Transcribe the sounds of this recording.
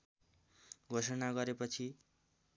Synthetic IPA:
ɡʱosʌnaɡʌɾepʌt͡sʰi

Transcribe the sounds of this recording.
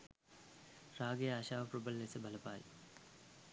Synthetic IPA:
raːɡejɐaːɕaːʋɐpɾubɐlːesɐbʱɐlɐpaːjḭ

